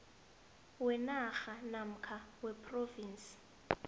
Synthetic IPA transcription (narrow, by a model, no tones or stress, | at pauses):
wɛnaxanam̩kʰawɛpʰʼroviːnsi̥